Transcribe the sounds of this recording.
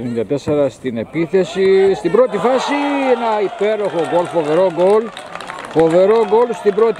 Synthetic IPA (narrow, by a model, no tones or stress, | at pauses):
nind̪ɐt̪eseɾɐst̪ine̞piθe̞sist̪ibɾo̞t̪ifɐsienɐipe̞ɾo̞xo̞ɡolfo̞ve̞ɾo̞ɡolfo̞ve̞ɾo̞ɡolst̪ibɾot̪